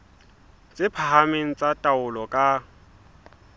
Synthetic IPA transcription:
t͡sʼɪpʰaɦameŋ̩t͡sʼatʼaʊlɔkʼa

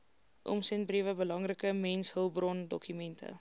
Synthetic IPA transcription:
ʔɔ̰msɛnbriəvəbəlɐŋrəkəmɛnsɦəlˠbrɔndɔ̰kymɛntʰə̰

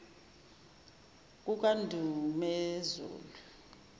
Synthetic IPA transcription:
k̬ʼuk̬ʼandʱumɛzṵːlu

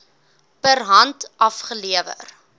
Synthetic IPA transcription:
pərɦɐntʔɐfχəliəvə̰r

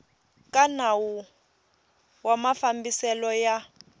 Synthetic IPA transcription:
kanawu | wamafambisɛlɔja

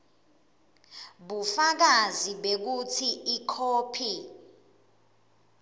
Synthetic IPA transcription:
ɓufak̬aziɓek̬utʰiikʰoːpʰi

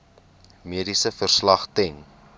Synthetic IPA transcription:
miədisəfərslɐχtɛŋ

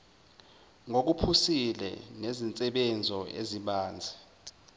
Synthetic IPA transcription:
ŋok̬upʰusilɛ̰nezint͡sʼɛɓɛnd͡zʱɔḛziɓaːnd͡zʱɛ

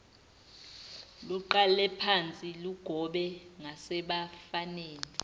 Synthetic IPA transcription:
luǃalɛpʰant͡sʼiluɡ̥ʱɔɓɛŋasɛɓafaneːni

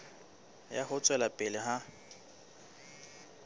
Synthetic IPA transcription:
ja̰hʊt͡sʼwɛlapʼɪlɪɦa

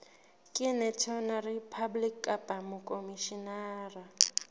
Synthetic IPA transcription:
kʼɪnɛtʰɔnaripʰablikʼːapʼamukʼomiʃinaːra

